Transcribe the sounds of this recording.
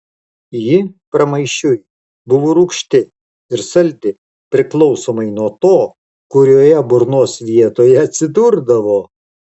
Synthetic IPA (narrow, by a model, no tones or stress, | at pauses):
jipɾɐmɐɪʃʲʊj | bʊʋuɾuːkʃʲt̪ʲɪ | ɪɾsɐlʲd̪ʲɪ | pʲɾʲɪklˠɔʊsoːmɐɪnuɔt̪oː | kʊɾʲoːjɛbʊɾnoːsʋʲiɛt̪oːjɛɐt̪ʲsʲɪd̪ʊɾd̪ɐʋoː